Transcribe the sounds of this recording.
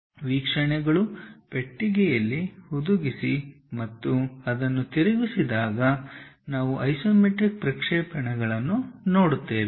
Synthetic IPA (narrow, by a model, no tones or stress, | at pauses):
ʋiːkʂɐɳɛɡɐɭupeʈːiɡɛjɐlːihud̪uɡisi | mɐt̪ːuɐd̪ɐnːut̪iɾiɡisid̪aːɡɐ | naːʋuʔɐjsoːmeʈɾik̚pɾɐkʂɛːpɐɳɛɡɐɭɐnːuno̞ːɽut̪ːeːʋi